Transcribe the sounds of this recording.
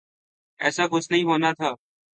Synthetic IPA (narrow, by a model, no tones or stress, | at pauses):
ɛːsaːkʊsnəɦĩːɦoːnaːt̪ʰaː